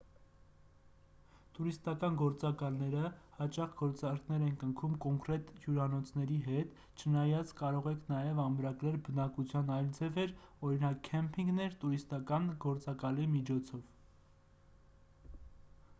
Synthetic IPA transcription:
t̪uɾist̪ɑkɑnɡɔɾt͡sɑkɑlnɛɾəhɑt͡ʃɑχɡ̥ɔɾt͡sɑɾkʰnɛɾɛnkəŋkʰumkɔŋkɾɛt̪hjuɾɑnɔt͡sʰnɛɾiɦɛt̪ | t͡ʃʰənɑjɑt͡sʰkɑɾɔʁɛkʰnɑjɛvɑmɾɑɡɾɛlbənɑkut͡sʰjɑnɑjld͡zɛvɛɾɔɾinɑkʰːɛmpʰiŋɡnɛɾt̪uɾist̪ɑkɑnɡɔɾt͡sɑkɑlimit͡ʃʰɔt͡sʰɔv

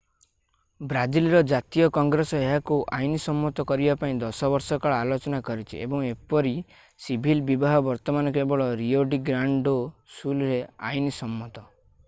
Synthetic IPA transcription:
bɾad͡ʒilɾɔd͡ʒat̪ijɔkɔŋɡɾesɔeɦakuʔajnisɔmːɔt̪ɔkɔɾibapaĩd̪ɔsɔbɔɾsɔkaɭalot͡ʃɔnakɔɾit͡ʃʰḭḛbɔŋepɔɾi | sibʱilbibaɦɔbɔɾt̪ɔmanɔkebɔɭɔɾioɖiɡɾaɳɖosulɾea̰jnisɔmːɔt̪ɔ

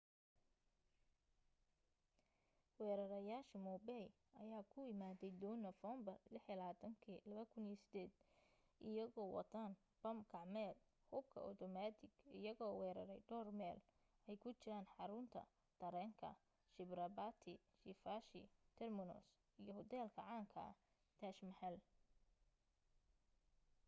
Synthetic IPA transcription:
wɛːɾɐɾɐjaːʃɐmɔbɛj | ɐjaːkʰʊɪmaːðɛjd̪ɔnɐfɔːmbɐrlɪħilɐaːt̪ʰɐŋkʰiːlɐβɐkʰʊniɔsɪ̥d̪ɛːd̪ | ʔɪjɐɣɔːwɑ̰t̪ʰaːn | b̥ɐmkʰɑʕmɛːl | hʊb̚kʰɐ̰ʔɔ̰t̪ʰɔmaːt̪ʰɪɡɪjɐɣɔːwɛːɾɐɾɛjɖɔːrmɛːl | ɛjkʰʊt͡ʃɪɾaːnħɑɾʊnt̪ʰɐ̰ | d̪̥ɐɾɛːŋkʰɐ̰ | ʃɪbrɐbaːt̪ʰɪ | ʃɪfaːʃɪt̪ʰɛrmɪnɔ̰s | ijɔhʊd̪ɛːlkʰɐʕaːŋkʰɐ̰ | t̪ʰaːʃmɐħɛl

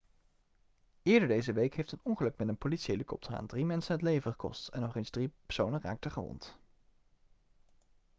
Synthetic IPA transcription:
ɪːɹdəɹdejzəʋejkɦejftənɔŋχəlɵkmɛtənpolisejlikɔ̰p̚tʰəra̰ːndrimɛnsənɦətlejvəχə̥kɔ̰stɛ̰nːɔχenzd̥ripɛ̥ɹsownənra̰ːk̚təχəʋɔ̰nt

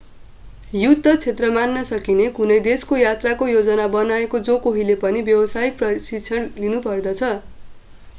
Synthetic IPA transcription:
jut̪ːʌt͡sʰet̪rʌmanːʌsʌkinekunʌjd̪eskojat̪rakojod͡zʌnabʌnaekod͡zokoɦilepʌnibjʌwʌsajprʌsit͡sʰʌnlinupʌrd̪ʌt͡sʰʌ

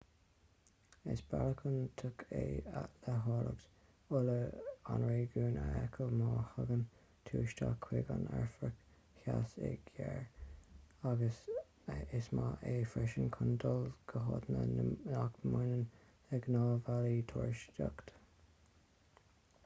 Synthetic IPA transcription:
ɪ̰sb̥aləkʰənt̪ʰʊkʰealəɦɑːɾəkt | ʊləanɹeːɡuːnəɛkʰəlmɑːhəɡən | t̪ʰuːʃtakʰːwɪɡanɛɹfɹək | hasɛɡjɛɹ | aɡəs | ɪsmaʔeːfɾɛʃənkʰʊndəlɡ̥əɦod̪nəakmʊnən | ɛɡnɑːvalitʰoːɹʃtakt̪

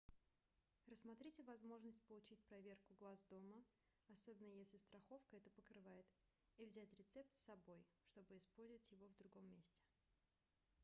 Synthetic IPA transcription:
rəsmɐt̪ɾʲitʲɪvɐzmo̞ʐnəsʲt̚ʲpəlˠʊt͡ɕit̚ʲpɾɐvʲe̞rkʊɡlˠazd̪o̞mə | ɐso̞bʲɪnːəjesʲlʲɪst̪ɾɐxo̞fkəɛt̪əpəkɾɨvajɪt̪ | ivzʲætʲɾʲɪt̪sɛp̚t̪sːɐbo̞jʂt̪o̞bɨɪspo̞lʲzʲəɪtʲjɪvo̞vd̪ɾʊɡo̞mːʲesʲtʲɪ̥

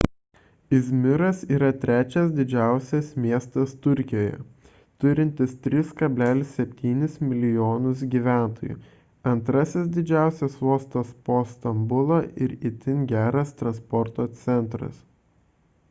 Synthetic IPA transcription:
ɪzʲmʲɪɾɐsiːɾɐt̪ʲɾʲæːt͡ʃʲɛs̬d̪ʲɪd͡ʒʲæˑʊsʲɛsmʲiɛst̪ɐst̪ʊɾʲkʲɪjoːjɛ̰ | t̪ʊɾʲɪnʲt̪ʲɪst̪ʲɾʲɪskɐbʲlʲæːlʲɪsʲsʲɛpʲt̪ʲiːnʲɪsmʲɪlʲɪjoːnʊs̬ɡʲiːʋʲæˑnt̪oːjʊ̰ | ɐnt̪ɾɐsʲɪs̬d̪ʲɪd͡ʒʲæˑʊsʲɛsʋoːst̪ospoːst̪ɐmbʊlˠɐʔɪɾɪt̪ʲɪnɡʲæːɾɐst̪ɾɐnspɔɾt̪oːt̪sʲɛnˑt̪ɾɐ̰s

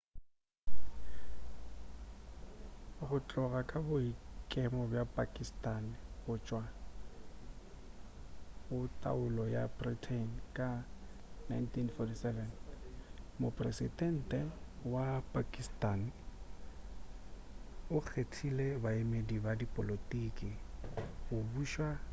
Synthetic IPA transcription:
ɣʊt͡ɬʼɔɣakʼabʊikʼɛmɔbjapʼakʼistʼanɣʊt͡ʃʼwa | bʊtʼa̰ʊlɔja̰britʰenkʼa | najntʰinfɔtʰisɛvɛn | mʊpʼrɛsidɛn̩tʼɛwapʼakʼistʼan | ʊk͡xʰetʰilebaemedibadipʼɔlotʼikʼɪ | ʊbuːʃwa

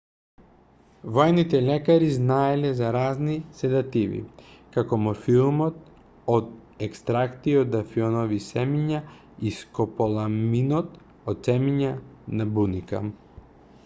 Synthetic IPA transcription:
vɔjnit̪ɛlɛkaɾiznaɛlɛzaɾaznisɛd̪at̪ivḭkakɔmɔfilˠmɔt̪̚ | ɔd̪ɛkst̪ɾakt̪iɔd̪afiɔnɔvisɛmiɲa | iskɔpɔlˠaminɔt̪ | ɔt̪sɛmiɲanabunika̰

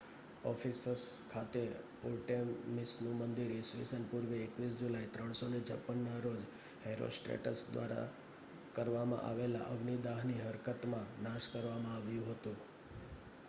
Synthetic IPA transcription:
ɔfisəskʰat̪e | olʈemisnũmənd̪iɾisʋisənpuɾʋeːkʋis̬d͡ʒulait̪ɾəɳ̃sonet͡ʃʰə̰pːənːaɾod͡ʒ | heɾo̰sʈɾḛʈə̰sd̪ʋa̰ɾa̰ | kəɾʋamã̰ʔa̰ʋela̰ʔəɡnid̪aɦniɦəɾkət̪mãnaʃkəɾʋamãaʋjũɦət̪ũ

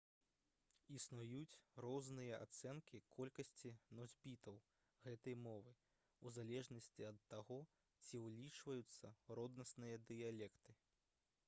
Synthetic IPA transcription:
isnujut͡sʲrɔznɨjɐa̰t̪sɛnkʲikʰɔlʲkɐsʲt͡sʲinɔzʲbʲit̪ɐw | ɣɛt̪ɐjmɔvɨ | uzalʲɛʐnɐsʲt͡sʲiɐt̪ːaɣɔ | t͡sʲiwlʲit͡ʂvɐjut̪sːɐɾɔd̪nɐsnɨjɐd̪ɨjalʲɛkt̪ɨ

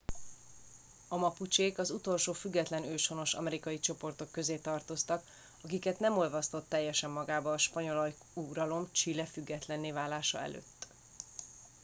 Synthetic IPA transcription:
ɒmɒput͡ʃeːkɒzut̪o̞lʃoːfyɡːɛt̪lɛnøːʃho̞no̞ʃɒ̰mɛɾikɒjit͡ʃo̞po̞rt̪o̞kːø̞zeːt̪ɒrt̪o̞st̪ɒk | ɒkikɛt̪nɛmo̞lvɒst̪o̞t̪ːɛjːɛʃɛmːɒɡaːbɒːʃpɒɲo̞lɒj | uɾɒlo̞mt͡ʃilɛfyɡːɛt̪lɛnːeːvaːlːaːʃɒ̰ɛ̰lø̰ːt̪ː

